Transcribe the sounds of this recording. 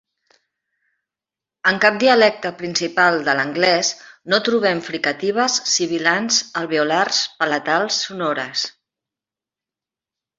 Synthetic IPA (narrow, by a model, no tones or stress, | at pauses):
əŋkap̚d̪iəlɛk̚t̪əpɾinsipalˠd̪ələŋɡlɛsnot̪ɾuβ̞ɛmfɾikət̪iβ̞əsːiβ̞ilanzəlˠβiularspələt̪alˠsːunoɾəs